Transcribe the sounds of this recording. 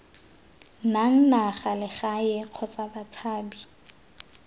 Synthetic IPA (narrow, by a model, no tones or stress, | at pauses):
naŋ̩naχalɪχajɪq͡χʰɔt͡sʼabat͡sʰaːbi